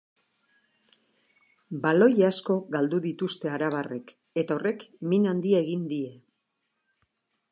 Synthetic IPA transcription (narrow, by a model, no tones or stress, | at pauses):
balo̞jasko̞ɣald̪uðit̪ust̪e̞aɾaβ̞are̞k | e̞t̪ao̞re̞kminand̪ie̞ɣind̪ie̞